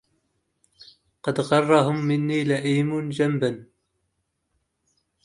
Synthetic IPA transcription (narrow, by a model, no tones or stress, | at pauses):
qɑd̪ɣɑrˤːɑhʊmːɪnːiːlaʔiːmʊnd͡ʒamban